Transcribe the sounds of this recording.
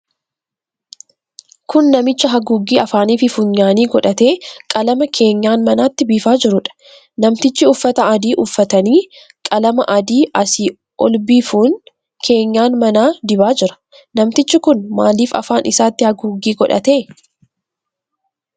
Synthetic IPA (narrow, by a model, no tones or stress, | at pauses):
kʊnːɐmɪt͡ʃːɐɦɐɡuːɡːiːɐfaːniːfɪfʊɲːaːniːɡɔᶑɐt̪e̞ːkʼɐlɐmɐkʰe̞ːɲːaːnmɐnaːt̪ːɪbiːfaːd͡ʒɪɾʊᶑɐ̥ | nɐmt̪ɪt͡ʃːɪʊfːɐt̪ɐɐd̪iːʔʊfːɐt̪ɐniː | kʼɐlɐmɐʔɐd̪iːʔɐsiː | ʔɔlbiːfuːn | kʰe̞ːɲːaːnmɐnaːd̪ɪbaːd͡ʒɪɾɐ̥ | nɐmt̪ɪt͡ʃːɪkʊnmaːliːfɐ̰faːnʔɪsaːt̪ːɪhɐɡuːɡːiːɡɔᶑɐ̰t̪e̞ː